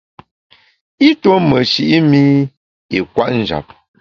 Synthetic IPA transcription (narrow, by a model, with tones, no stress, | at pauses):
i˦to˦mə˨ʃi˨ʔi˦mi˦ | i˨kwa˦ʔn̩˦d͡ʒa̰˨p̚